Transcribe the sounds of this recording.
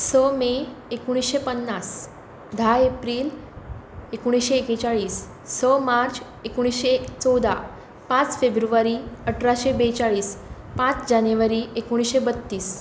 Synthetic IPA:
səmeekuɽ̃isɕepənːas | d̪ʱaepɾiːl | ekuɽ̃isɕeːket͡ɕaɭiːsː | əmaɾt͡ɕ | ekuɽ̃isɕet͡sɔwd̪ʱa | pãt͡sfebɾuʋaɾiəʈʰɾaɕebet͡saɭiːspãt͡sd͡ʑaneʋaɾiekoɽ̃isɕebət̪ːiːs

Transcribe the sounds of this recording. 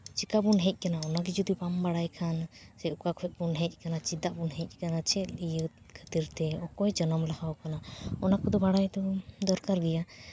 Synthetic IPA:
t͡ʃikabunɦɛ̃c̚ˀkanaɔnaɡid͡ʒud̪ipambaɽajkʰansɛukakɔɛʔ̚bunɦɛ̃c̚ˀkanat͡ʃid̪aʔbunɦɛ̃c̚ˀkanat͡ʃʰɛlijət̪̚ | kʰət̪iɾt̪ɛɔkɔɛd͡ʒənəmlahawkanaɔnakɔd̪ɔbaɽajd̪ɔd̪ɔɾkaɾɡɛja

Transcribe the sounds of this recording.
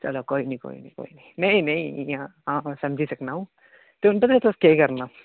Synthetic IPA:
t͡ʃɐ̰lokoːinɐĩko̰ːḭnɐ̃ĩko̰ːinɐĩmɛ̃ĩnɐĩãɦãːsɐ̃md͡ʒʱisɐknaɦũː | t̪eʊnpɐt̪at̪oskeikɐɾnaː

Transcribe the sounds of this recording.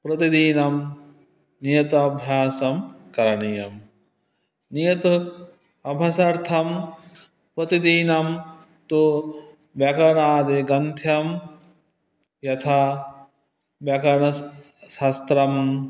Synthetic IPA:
pɾɐt̪id̪iːnɐm | nijɐt̪ɐɐbʱjaːsɐmkɐɾɐɳijɐm | nijɐt̪u | ɐbʱɐsɐɾt̪ʰɐm | pɾɐt̪id̪iːnɐm | t̪o | ʋjɐkɐɾɳaːd̪eɡɐnt̪ʰjɐm | jɐt̪ʰaː | ʋjɐkɐɾɳɐ | ʃɐst̪ɾɐm

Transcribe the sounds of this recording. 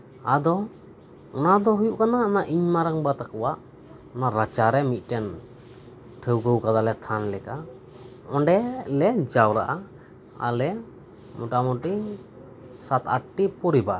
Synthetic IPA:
ad̪ɔ | ɔnad̪ɔɦujuʔkanaɔnaʔiɲmaɾaŋbat̪akɔwaʔ | ɔnaɾat͡ʃaɾɛmit̪̚ˀʈɛn | ʈʰəwɡəwkad̪alɛt̪ʰanlɛka | ɔɳɖɛlɛd͡ʒawɾaʔa | a̰lɛ | mɔʈamɔʈi | sat̪aʈːipɔɾibaʔ

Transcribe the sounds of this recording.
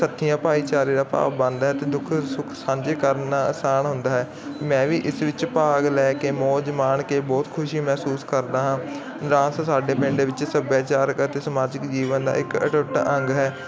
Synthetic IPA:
sət̪ʰːijãːpaːiːt͡ʃaːɾiːɾaːpa̰ːʋbə̃nd̪ɦɛːt̪eːd̪ʊkʰsʊkʰsãːɲd͡ʒeːkəɾnaːsaːɳɦʊnd̪aːɦɛː | mɛ̃ːʋiːʔɪsʋɪt͡ʃpaːɡlɛːkeːmoːd͡ʒəmaːɳkeːbɔːt̪kʰʊʃiːmɛːsuːskəɾd̪aːɦãː | ɾãːssaːɖeːpɪ̃ɳɖeːʋɪt͡ʃsəbjaːt͡ʃaːɾkət̪eːsəmaːd͡ʒɪkd͡ʒiːʋənd̪a̰ːɪkəʈʊʈaʔəŋɡɦɛː

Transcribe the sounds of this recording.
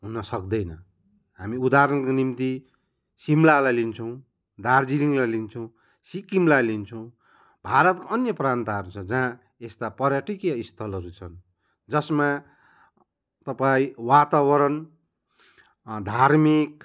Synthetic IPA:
ɦunʌsʌk̚d̪ʌjnʌ | ɦamiud̪aɾʌnkonimt̪i | simlalajlint͡sʰʌw̃ | d̪ard͡ziliŋlajlint͡sʰʌw̃ | sikimlalint͡sʰʌw̃ | bʱaɾʌt̪koʌnjʌprant̪aɦʌɾut͡sʰʌd͡zã | est̪apʌrjaʈikjʌist̪ʰʌlʌɾut͡sʰʌn | d͡zʌsma | t̪ʌpaĩwat̪awʌɾʌn | d̪ʱaɾmik

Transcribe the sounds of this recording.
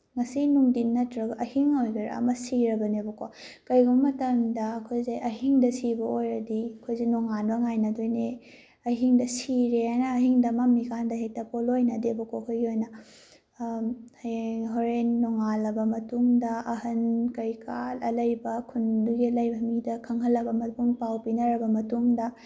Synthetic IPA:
ŋɐsinuŋdinːɐtɾɐbɐʔɐhiŋojɡɐɾ̰ɐ̰mɐsiɾɐbɐnebɐkokɐjɡɐbɐmɐtɐmdɐːkʰojzejʔɐɦiŋdɐsibɐojɾɐdiɐkʰojzenoŋanbɐŋajnɐdojne | ɐɦiŋdɐsiɾeajnɐːɦiŋdɐmamːikʰandɐɦetɐpolojnɐdebɐkokʰojɡiojnɐ | hɦoɾenːoŋalɐbɐmɐtuŋdɐɐhɐnkɐɾjkʰalɐ̰lɐjbɐkʰunduɡilɐjbɐmidɐkʰɐŋɦɐlːɐbɐmɐtuŋpawpinɐɾɐbɐmɐtuŋdɐ

